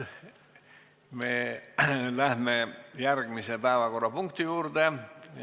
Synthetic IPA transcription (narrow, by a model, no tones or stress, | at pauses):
me | læhmejærɡ̥misepæevɑko̞rːɑpuŋkt̪ijuːrd̪̥ej